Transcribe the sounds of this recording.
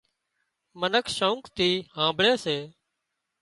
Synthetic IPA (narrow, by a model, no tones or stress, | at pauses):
mənəkʰʃouŋkt̪iːhãːbɭeːseː